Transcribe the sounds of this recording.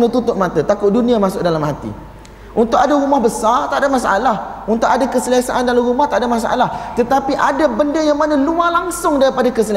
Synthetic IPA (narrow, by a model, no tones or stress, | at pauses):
nət̪ut̪ʊt̪̚mãt̪ət̪akʊt̪̚dunĩamasʊk̚dalamɦat̪ḭ | ʔunt̪ʊkadaɾumahbəsart̪aʔadamasaʔalahunt̪ʊʔadakəsəlasaʔandalamɾumaht̪aʔdamas̬aʔa̰laht̪ət̪apiʔadabəndəjaŋmanalualaŋsʊŋdaɾipadakəsəl